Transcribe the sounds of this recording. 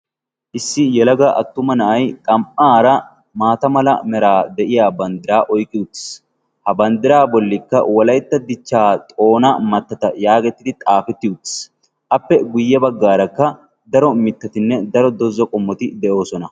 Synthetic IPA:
ʔɪsːɪjɛlɐɡɐʔɐt̪ːʊmɐnɐʔɐjt̪ʼɐmʔaːɾɐ | maːt̪ɐmɐlɐ̰mɛɾaːd̪ɛʔɪjaːbɐnd̪ɪɾaːʔɔjkʼːɪʊt̪ːɪ̥s | hɐbɐnd̪ɪɾaːbɔlːɪkːɐ̰wɔlɐjt̪ːɐd̪ɪt͡ʃːaːt̪ʼo̞ːnɐmɐt̪ːɐt̪ɐjaːɡɛt̪ːɪd̪ɪt̪ʼaːfɛt̪ːɪʊt̪ːs | ʔɐpːɛɡʊjːɛbɐɡːaːɾɐkːɐ | d̪ɐɾɔmɪt̪ːɐt̪ɪnːɛd̪ɐɾɔd̪ɔzːɔkʼɔmːɔt̪ɪd̪ɛʔo̞ːsɔnɐ

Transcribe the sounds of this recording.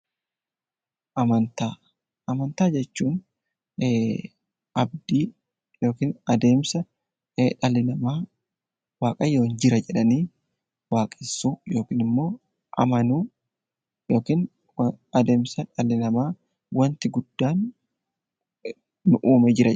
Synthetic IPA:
ʔɐmɐnt̪aː | ʔɐmɐnt̪aːd͡ʒɛt͡ʃːuːn | ʔɐbd̪iː | jo̞ːkiːnɐd̪e̞ːmsɐ | ᶑɐlɪnɐmaː | waːkʼɐjo̞ːnd͡ʒɪɾɐd͡ʒɛᶑɐniː | waːkʼɪsujo̞ːkiːnɪmːo̞ː | ʔɐ̰mɐnuː | jo̞ːkiːn | ɐd̪e̞ːmsɐᶑɐlɪnɐmaː | wɐnt̪ɪɡʊd̪̥ːaːn | ʊʔuːmɛd͡ʒɪɾɐ

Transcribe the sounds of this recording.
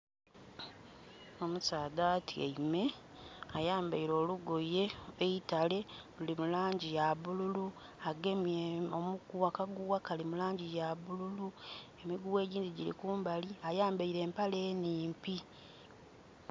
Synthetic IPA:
o̞musaːdaːtʰiḛime̞ | ajaːmbaiɾo̞ːluɡoje̞eitale̞lulimulaːɲɟijaβululu | aɡemeomukuakaɡuwakalimulaːɲɟijaβululue̞miɡuwe̞ːɟiːndiɟḭlḭkuːmbaliajaːmbaiɾe̞ːmpale̞ːniːmpi

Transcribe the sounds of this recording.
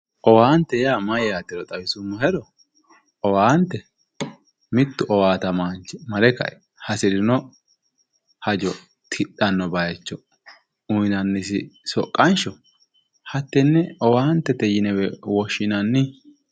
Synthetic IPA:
ʔɔwaːnt̪ːɛjaːmɐjjaːt̪ːɪɾɔt̪ʼɐwɪsʊmːɐhɛɾɔ | ɔwaːnt̪ːɛ | mɪt̪ːʊʔɔwaːt̪ɐmant͡ʃmɐɾɛkɐ̰ʔɛ | hɐsɪɾɪnɔ | hɐd͡ʒɔ | t̪ʰɪɗɐnːɔbɐjɛt͡ʃːɔ | ʊjnɐnːɪsɪsɔkʼːɐnʃɔ | hɐt̪ːɛnːɛɔwaːnt̪ːɛt̪ɛjɪnɛwɛwɔʃːɪnɐnːɪ

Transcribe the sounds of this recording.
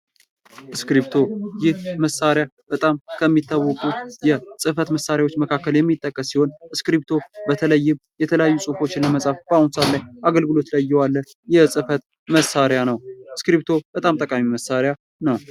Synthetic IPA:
ʔɨskɾipt̪ʰo̞jɪhməsːaɾjab̥ət̪ʼamkʰəmːit̪ːawːɔkʼujɛsʼɨfət̪məsːaɾjawo̞t͡ʃːməkʰakːəljɛmːit̪ʼːəkʼːəsːiho̞nɨskɾip̚t̪ʰo̞bət̪ʰələjːɪmjɛt̪ʰələjajːusʼufo̞t͡ʃːɪnləməsʼafb̥əahunsat̪lajʔaɡəlɡɨlo̞t̪lajjːɛwalːə | jɛsʼɨfət̪ | məsaɾjanəwɨskɾiβt̪ʰo̞b̥ət̪ʼamt̪ʼəkʼamiməsːaɾja | nəw

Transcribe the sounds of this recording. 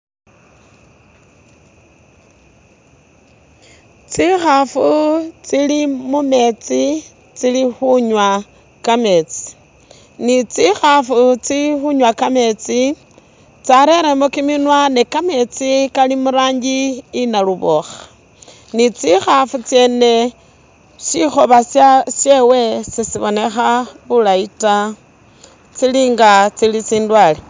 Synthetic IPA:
t͡sixafut͡silimume̞t͡si | t͡silixuɲwa | kame̞t͡si̥ | nit͡sixafut͡sixuɲwakame̞t͡si | t͡saɾe̞ɾemokiminwanekame̞t͡sikalimuɾaːɲɡiːnaluβo̞xḁ | nit͡sixafut͡sje̞ːne̞ | ʃixo̞βasasjewe̞sisiβo̞ne̞xaβulaita | t͡siliːŋɡat͡silit͡siːndwale

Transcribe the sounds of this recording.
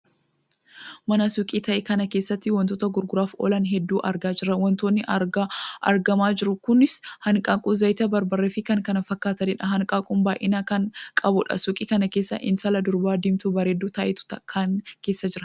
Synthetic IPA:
mɐnɐsʊkʼiːt̪ɐʔekɐnɐkeːsːɐt̪ːɪwɔnt̪oːt̪ɐɡʊɾɡʊɾaːfɔ̰lɐnɦɛd̪ːuːʔɐɾɡaːd͡ʒɪɾɐwɔnt̪oːnːɪʔɐɾɡaʔɐ̰ɾɡɐmaːd͡ʒɪɾʊkʊnɪshɐŋkʼaːkʼʊzɐjt̪ɐbɐɾbɐrːeːfɪkɐŋkɐnɐfɐkːaːt̪ɐnɪᶑɐɦɐŋkʼaːkʼʊmbaːjʔɪnaːkɐŋkʼɐbʊᶑɐ̰sʊkʼiːkɐnɐke̞ːsːɐ̰ʔɪ̰nsɐlɐd̪ʊɾbaːd̪ɪmt̪ʊbɐɾed̪ːuːt̪ɐʔɛt̪ʊ̥t̪ɐkʰːaːnkeːsːɐd͡ʒɪɾɐ̥

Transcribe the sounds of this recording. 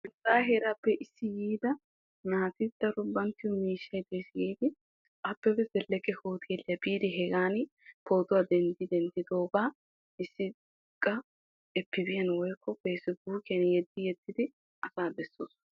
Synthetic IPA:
ɪtʼːaːɦɛɾapːɛʔɪsːɪjiːd̪ɐ | naːt̪ɪd̪̥ɐɾʊbɐnt̪ːɪwʊmiːʃːɐjd̪ejsɪɡiːd̪ɪ | ɐpːɛfɛsɛlːɛkːɛhoːt̪ʰɪɛlːɪɐbiːd̪ɪɦɛɡaːn | ko̞ːt̪ʊwad̪ɛnd̪ɪd̪ɛnd̪ɪd̪oːbaː | ɪsːɪ | kʼːɐ | ɛpːɪbɪjɐnwɔjkʰːɔpeːsɪbuːkɪɐnjɛd̪ːɪjɛd̪ːɪd̪ɪ | ʔɐsaːbɛsːoːs

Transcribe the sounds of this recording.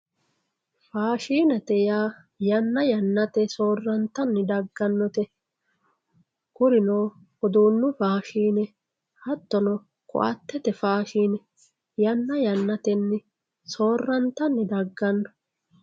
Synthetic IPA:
faːʃiːnɐt̪ɛjaː | jɐnːɐjɐnːɐt̪ɛso̞ːrːɐnt̪ɐnːɪd̪ɐɡːɐnːɔt̪ɛ | kʊɾɪnoː | ɔd̪uːnːʊfaːʃiːnɛ | hɐt̪ːɔnɔ | kʼʊ̰ʔɐ̰t̪ːɛt̪ɛfaːʃiːnɛ | jɐnːɐjɐnːɐt̪ɛnːɪ | so̞ːrːɐnt̪ɐnːɪd̪ɐɡːɐnːɔ̥

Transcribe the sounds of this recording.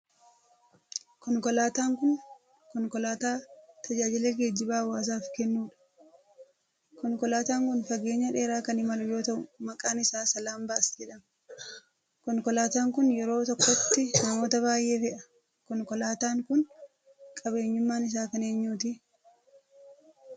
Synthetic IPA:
kɔŋkɔlaːt̪aːŋkʊn | kɔŋkɔlaːt̪aːt̪ʰɐd͡ʒaːd͡ʒɪleːɡeːd͡ʒːɪbaːwaːs̬aːfkɛnːuːᶑɐ̥ | kɔŋkɔlaːt̪aːŋkʊnfɐɡe̞ːɲːɐᶑe̞ːɾaːkɐnɪmɐlʊjo̞ːt̪ɐʔʊmɐkʼaːnɪsaːsɐlaːmbaːsd͡ʒɛᶑɐm | kɔŋkɔlaːt̪aːŋkʊnjɛɾo̞ːt̪ɔkːɔt̪ːɪnɐmo̞ːt̪ɐβaːjʔe̞ːfɛʔɐ | kɔŋkɔlaːt̪aːŋkʊn | kʼɐbe̞ːɲːʊmːaːnɪs̬aːkɐne̞ːɲːuːt̪ɪ

